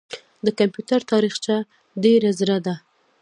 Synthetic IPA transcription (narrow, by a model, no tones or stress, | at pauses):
d̪əkampjut̪aɾt̪ɑɾixt͡ʃa | ɖeɾazɾad̪a